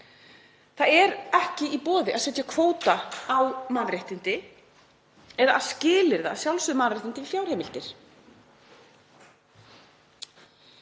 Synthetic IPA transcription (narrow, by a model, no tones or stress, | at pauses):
θaðɛɾɛhcɪipɔːðɪʔaðsɛt̪jakʰvoːwt̪aːwmaːðɾejht̪ɪnt̪ɪ | ɛðaaðscɪːlɪɾða̰sjawlsʏðmaːðɾraht̪ɪnt̪ɪɪfjawɾ̥hɛːmɪl̥t̪ɪɾ̥